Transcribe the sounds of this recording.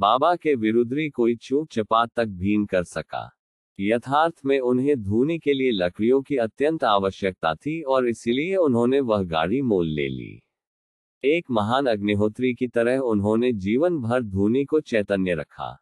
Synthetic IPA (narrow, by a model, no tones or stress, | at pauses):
baːbakeʋɪɾʊd̪ɾikoːit͡ʃũːk̚t͡ʃɐpaːt̪ːɐk̚bʱiːnkɐɾsɐka̰ː | jɐt̪ʰaːɾt̪ʰmẽʊnɦẽd̪ʱuːnikelielɐkʰɽijõkiɐt̪jə̃nt̪aːʋəʃjək̚t̪a̰t̪ʰiɔːɾɪsilieʊnɦõːneʋɐɦɡa̰ːɽimoːlːḛːlḭː | eːkmɐɦaːnɐɡnɪɦoːt̪ɾikit̪ɐɾəɦʊnɦõned͡ʒiːʋənbʱɐɾd̪ʱuːnikot͡ʃɛːt̪ənjəɾɐ̰kʰa̰ː